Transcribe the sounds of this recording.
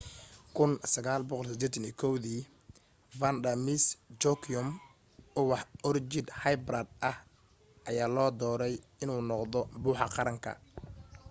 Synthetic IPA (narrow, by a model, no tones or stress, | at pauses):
kʰʊnsɐɣaːlbɔqɔlsɪd̪ɛːt̪ʰɐniːkʰɔwðiː | vɐnd̪ɐmisd͡ʒɔkʰʊm | ɔwɑħʔɔrt͡ʃɪd̪hajbɾad̪̚ʔɐh | ʔɐjaːlɔːd̪ɔːɾɛj | ɪnuːnɔqðɔbuːħɑqɑɾɐŋkʰɐ̰